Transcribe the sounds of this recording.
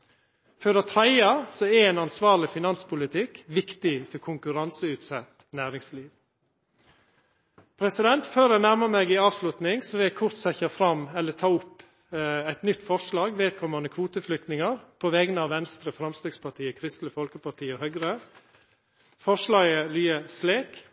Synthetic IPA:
føɾɑt̪ʰɾæɪɑsɔɛɾɛːnɑnsʋɑːɾɭɪfɪnɑnspʊlɪt̪ʰɪkːʋɪkt̪ɪfɔɾkʰʊŋkʉɾɑnsəʉːt̪sɛt̪ː | næːɾɪŋsliːʋ | pʰɾɛsɪd̪ɛnt̪føːɾænæɾməmɛɡɪɑːʋslʉt̪nɪŋsɔʋɪækʰʊɾt̪sɛçɑfɾɑmɛlːət̪ʰɑːʊp | æɪt̪nʏt̪ːfɔʂɭɑːɡʋeːt̪̚kʰɔməɑnəkʰʋuːt̪əflʏk̚t̪nɪŋəɾpʰɔʋɛɡnəɑʋʋɛnst̪ɾəfɾɑmst̪øːɡspʰɑʈʰiːəkʰɾɪst̪ləfɔlkəpɑʈʰiːɔhœɡɾə | fɔʂlɑːɡəlyːəsleːk

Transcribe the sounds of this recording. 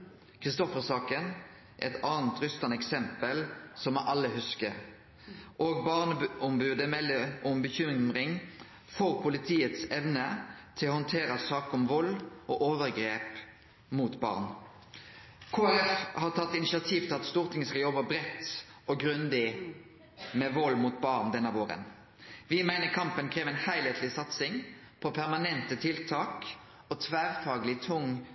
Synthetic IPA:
kʰʁɪst̪ɔfəʁsɑːkən | ʔɛt̪ʰɑːnt̪ɾʏst̪ɑnɛksɛmpəlsɔmʔɑlːəhʉskə̰ | ʔoːɡbɑːʁnəɔmbʉːd̪əmɛlːəʔɔmbəçʏmʁɪŋ | foːʁpʰʊlɪt̪ʰiːət̪sɛʋnət̪ʰɪlɔhɔnt̪ʰeːɾəsɑːkɔmʋɔlːʔɔʔoːʋəʁɡɾeːp | mut̪bɑ̰ːʁn | kʰoːæɾɛfhɑʁt̪ʰɑt̪ːɪnɪʃɑt̪ʰiːʋt̪ʰɪlɑt̪st̪uːʁt̪ʰɪŋəskɑljɔbəbɾɛt̪ːɔɡɾʉnd̪ɪ | mɛʋɔlːmuːt̪̚bɑʁnd̪ɛnːəʋoːʁə̰n | ʋɪmæɪnəkʰɑmpənkʰʁeːʋɛɪnhæɪleːt̪ʰlɪsɑt̪sɪŋ | pʰɔpʰæʁmɑnɛnt̪ət̪ʰɪlt̪ʰɑːk | ɔt̪ʰʋæːʁfɑːɡlɪt̪ʰʊŋ

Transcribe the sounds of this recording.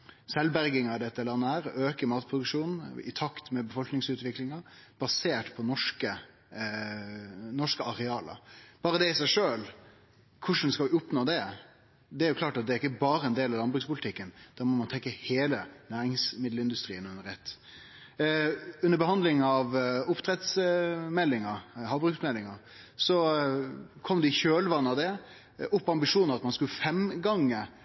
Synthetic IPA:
sɛlbæɾɡɪŋɑɪd̪ɛt̪ːəlɑnːəhæːɾøːkəɾmɑːt̪pʰɾʊd̪ʉkʂuːnn̩ɪ̰t̪ʰɑkt̪mɛbəfɔlknɪŋsʉːt̪ʋɪklɪŋɑb̥ɑseːʈpʰɔnɔʂkə | nɔʂkəɑɾɛɑːlə̰b̥ɑːɾəd̪ɛɪsæɪʂøːl | kʰʊʂn̩skɑlʋɪʊpnoːd̪ɛ | d̪ɛæɾjʊkʰlɑːʈɑt̪̚d̪ɛæɾɪkːəbɑːɾəɛnd̪eːlɑʋlɑnbɾʉkspʊlɪt̪ʰɪkːənd̪̥ɑːɾmɔmɑnt̪ʰɛkːəheːlənæːɾɪŋsmɪd̪ləɪnd̪ʉst̪ɾiːənʉnːəɾɛt̪ː | ʉnːəɾbəhɑnd̪lɪŋɑʋʊpt̪ʰɾɛt̪smɛlːɪŋəhɑːʋbɾʉksmɛlːɪŋɑsɔ | kʰɔmd̪ɛɪçøːlʋɑnːəɑʋd̪ɛ | ʊpːɑmbɪʂuːnəʋɑt̪mɑnskʉləfɛmɡɑŋːə

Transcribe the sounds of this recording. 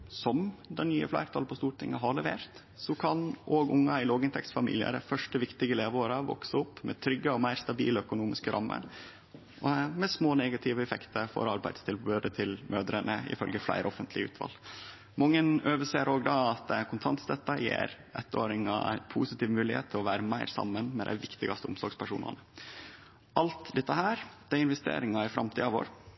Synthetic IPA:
sɔmd̪ɛnnyːəflæ̰ɪɾt̪ʰɑlpʰɔst̪uːʈʰɪŋːəɦɑɾɭɛʋeːɾt̪ | sɔkʰɑnʔoːɡʊŋːɑɪloːɡɪnt̪ʰɛksfɑmḭlɪə̰ɾəfœʂʈəʋɪkt̪ɪɡəleːʋoːɾɑʋɔ̰ksəʊpːmɛt̪ʰɾʏɡːəɔmæɪɾst̪ɑbḭːləœkʊnuːmɪskəɾʔɑ̰mːə̰ɾ | mɛsmoːnɛɡɑt̪ʰɪʋəɛfɛkt̪ʰəɾfɔ̰ɾɑɾbæɪd̪̥st̪ʰɪlbød̪ət̪ʰɪlmʔøːd̪ɾənəɪ̰fœlɡəflæ̰ɪɾɔfənt̪ʰlɪʉ̰ːt̪ʋɑ̰ːl | mɑŋːənøːʋəʂeːɾoːɡd̪ɑːɑt̪̚ɛkʰʊnt̪ʰɑnt̪sd̪ɛt̪ːɑjḛːɾ | ɛt̪ːoːɾɪŋɑæɪnpʰuːsɪt̪ɪːʋmʉːlɪhḛːt̪ʰːɪlɔʋæːɾəmæɪɾsɑ̰mːənmɛd̪æ̰ɪʋɪkt̪ɪɡɑst̪əʊmsɔɾɡspʰæʂṵːnɑ̰nə | ʔɑlt̪d̪ɛt̪ːəɦæːɾd̪̥æɪɪnʋɛst̪ḛːɾɪŋɑɪfɾɑmt̪ʰiːɑʋo̰ːɾ

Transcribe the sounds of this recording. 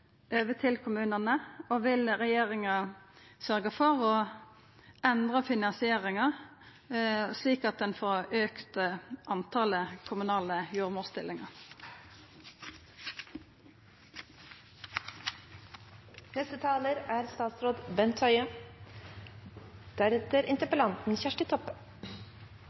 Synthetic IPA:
øːʋət̪ʰɪlkʰʊmʉːnənəoːʋɪlʁɛjeːʁɪŋɑsœʁɡəfɔʁoː | ʔɛnd̪ʁɑfɪnɑnsɪeːʁɪŋɑ | sliːkɑt̪̚d̪ɛnfoːʁøːkt̪əʔɑnt̪ʰɑːləkʰʊmʉnɑːləjuːʁmuːʁst̪ɪlːɪŋɑʁ | nɛst̪ət̪ʰɑːləɾæːɾst̪ɑːt̪sɾoːd̪bɛnt̪ʰœʏə | d̪̥æɾɛt̪əɾɪnt̪əpəlɑnt̪n̩çæʂʈɪt̪ʰɔp

